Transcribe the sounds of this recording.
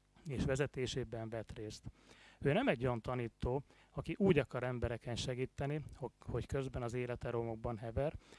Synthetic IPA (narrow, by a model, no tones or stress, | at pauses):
eːʃʋɛzɛt̪eːʃeːbɛɱvɛt̪reːst̪øːnɛmɛɟːont̪ɒniːt̪ːoː | ɒkiʔuːɟɒkɒɾɛmbɛɾɛkɛnʃɛɡiːt̪ːɛniho̞ckø̞zbɛnɒzeːlɛt̪ɛɾomo̞ɡ̚bɒnɦɛvɛr